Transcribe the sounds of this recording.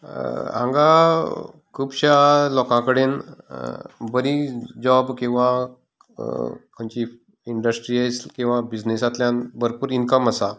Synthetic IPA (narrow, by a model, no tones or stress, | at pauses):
ã̰ŋɡa | kʰuːbɕalɔkãkəɽen | bəɾid͡ʑɔbkĩw̃ʋa | kʰəɲt͡ɕi | iɳɖəsʈɾiːajt͡skĩw̃ʋabid͡ʑnesat̪ljanbəɾpuːɾinkəməsa